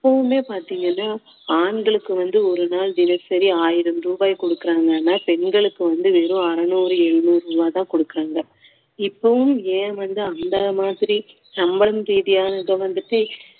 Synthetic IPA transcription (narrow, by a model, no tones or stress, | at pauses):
ɪpːɐʋɯmeːpaːɾt̪iːŋɡɐnːaː | aːɳɡɐɭɯkːɯʋɐnd̪ɯɔɾɯnaːld̪ɪnɐsɐɾiaːjɪɾɐmɾuːbaːjkɔɽɯkːɪɾaːŋɡɐnːaːpɛnɡɐɭɯkːɯʋɐnd̪ɯʋeːɾɯ̃ɐɾɐnuːɾɯɛɭːuɾɾuːbaːt̪ãːkɔɽɯkːɪɾaːŋɡɐ | ɪpːɐʋɯmeːʋɐnd̪ɯɐnd̪ɐmaːðɪɾi | nɐmbɐɭɐmt̪ɛːðɪjaːnɐɣɐʋɐnd̪ɯʈːɯ